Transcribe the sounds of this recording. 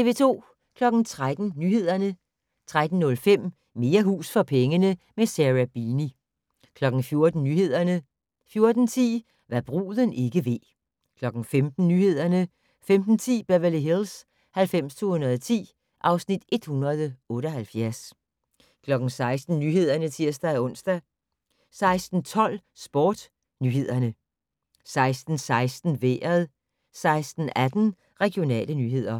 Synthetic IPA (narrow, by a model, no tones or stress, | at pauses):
t͡sʰe̝ʋe̝t͡sʰo̝̰ː | kʰlɒ̽ɡ̥n̩t͡sʰʁad̥n̩nyːhe̝ð̞̰ˠɐnə | t͡sʰʁad̥n̩nɔ̽lfem̰ | me̝ːɐɦṵːsfɒ̽pʰeŋənəmesæʁæb̥ini | kʰlɒ̽ɡ̥n̩fjo̝ɐd̥n̩nyːhe̝ð̞̰ˠɐnə | fjo̝ɐd̥n̩t͡sʰḭː | ʋɑ̈b̥ʁṵːðˠəne̝ɡ̥əʋe̝̰ | kʰlɒ̽ɡ̥n̩femd̥n̩nyːhe̝ð̞̰ˠɐnə | femd̥n̩t͡sʰḭːb̥æʋæliɦels | hælfem̰st͡sʰo̝̰ːhunɐðˠɒt͡sʰḭː | ʔɑ̈ʊsnid̥e̝d̥hunɐð̞ˠɔ̽ːɾəɒhælfjæɐs | kʰlɒ̽ɡ̥n̩sɑ̈ɪsd̥n̩nyːɦe̝ð̞̰ˠɐnət͡sʰiɐ̰sd̥æɔ̽n̰sd̥æ | sɑ̈ɪsd̥n̩t͡sʰɒ̽l̰sb̥ɒːd̥ | nyːhe̝ð̞̰ˠɐnə | sɑ̈ɪsd̥n̩sɑ̈ɪsd̥n̩ʋḛːɐðˠ | sɑ̈ɪsd̥n̩æd̥n̩ | ʁɛɡ̥ijo̝nɛ̰ːlənyːɦe̝ð̞̰ˠɐ